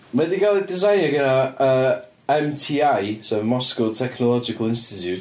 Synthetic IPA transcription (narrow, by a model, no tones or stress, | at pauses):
mɛdiɡalˠɛdɪzajnjɔɡənaəː | ɛmtʰiːajsɛvmɔskɔlˠtʰɛkʰnɔlˠɔd͡ʒɪkʰəlˠɪnstɪtʰjut